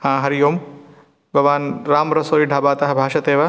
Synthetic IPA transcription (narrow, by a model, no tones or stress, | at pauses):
hãːɦɐɾijoːm | bʱɐʋaːnɾaːmɾɐsoːɾiːɖʱaːbaːt̪ɐɦɐbʱaːʃɐt̪eːʋa